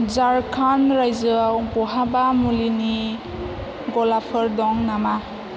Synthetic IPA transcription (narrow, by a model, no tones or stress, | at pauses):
zaɹkʰanɾajzɯɡɔɦabamulini | ɡɔlapʰɔɹdɔŋnama